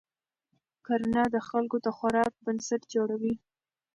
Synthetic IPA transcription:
koɾnɑd̪əxalɡot̪axwaɾɑk̚bənsaʈd͡ʒoɽawi

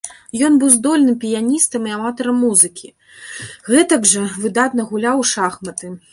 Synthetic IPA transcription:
jɔn̪bɨwzd̪ɔlʲnɨmpʲijanʲist̪ɐmiamat̪ɐɾɐmːuzɨkʲi | ɣɛt̪ɐɡʐɐvɨd̪at̪nɐɣulʲawʂaxmɐt̪ɨ

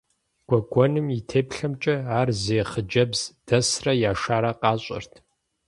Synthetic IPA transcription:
ɡ̥ʷɔɡʷɔnɨmitʰeːpɬɐmt͡ʃʼɐaːrzeːχəd͡ʒɐbz̥d̥ɐsrɐjaːʃaːɾɐqɑːɕʼɐ̰rtʰ

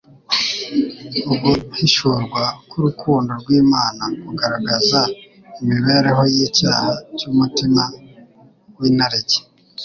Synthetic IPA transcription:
ubɡuhiʃuːɾɡwakuɾukʰuːndo̞ɾɡwiːmaːnakuɡaɾaɡaza | imiβe̞ːɾeɦojicaːhacuːmutima | winaɾeɟe̥

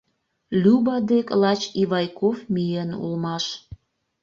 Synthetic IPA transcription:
lʲubɑd̪eklɑt͡ɕiβɑjkofmʲijenṵlmɑʃ

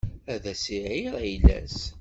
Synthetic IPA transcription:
æðæsiʕiɾæjlæ̰s

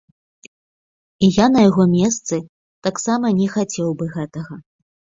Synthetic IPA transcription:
ijanɐjaɣɔmʲɛs̬t̪sɨ | t̪aksamɐnʲɛxat͡sʲɛwbɨɣɛt̪ɐɣɐ

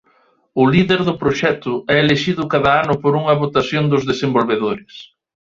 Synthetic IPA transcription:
ʊliðeɾðʊpɾoʃɛt̪ʊɛeleʃiðʊkaðɐanʊpoɾuŋɐβot̪asjond̪ʊzðesembolβeðoɾɪs

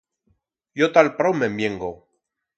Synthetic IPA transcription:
jot̪alpɾowmembjeŋɡo

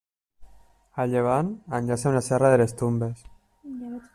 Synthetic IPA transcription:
aʎeβ̞ananʎaseunasɛraðelest̪umbes

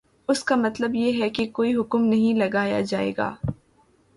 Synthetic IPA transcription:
ʊskamɐt̪ləbjeɦɛkekoːiɦʊkmnɐɦĩlɐɡaːja̰d͡ʒaːḛːɡa̰ː

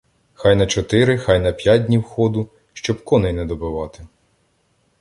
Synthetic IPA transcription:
xɑjnɐt͡ʃɔt̪ɪɾɪxɑjnɐpʲjadʲnʲiwxɔd̪ʊ | ʃt͡ʃɔbkɔnɪjnɛd̪ɔbɪʋɑt̪ɪ̥

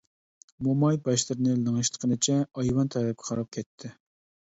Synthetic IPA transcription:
momɑjbɑʃlˠɨɾɨnɨlˠɨŋɨʃt̪ʰə̥qʰənɨt͡ʃʰɛɑjwɑnt̪ʰɛɾɛp̚kʲʰɛ̥χɑɾɑp̚kʲʰɛt̪ʰːɪ

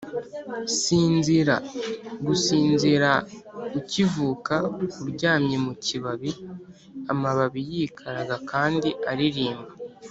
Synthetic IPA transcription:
siːnziɾaɡusiːnziɾaucivuːkaukuɾɟaːmɲe̞muciβaβi | amaβaβijiːkʰaɾaɡakaːndiaɾiɾiːmba

